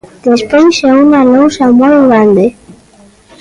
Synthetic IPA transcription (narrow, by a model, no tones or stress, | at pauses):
d̪̥espejʃaunalowʃamojɣɾand̪e